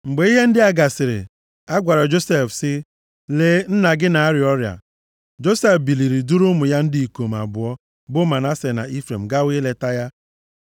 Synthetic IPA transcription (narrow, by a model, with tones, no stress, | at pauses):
ŋ͡m̩˨ɡ͡be˨˦i˦ɦe˦n̩˦dɪ˦a˦ɡa˨sɪ˨ɾɪ̰˨ | a˦ɡʷa˨ɾɔ˨d͡ʒo˦se˦˨fsɪ˦ | leː˦n̩˦na˨ɡɪ˦na˨a˦ɾɪ˨ɔ˦ɾja̰˨ | d͡ʒo˦se˦fbi˨li˨ɾi˨du˦ɾʊ˦mʊ˨ja˦n̩˦dɪ˦i˨ko˨m̩˨a̰˨bʊ˨ɔ˦ | bʊ˦ma˨na˦se˨na̰˨ʔi˦fɾḛ˨m̩˨ɡa˦wi˦le˨ta˦ja˦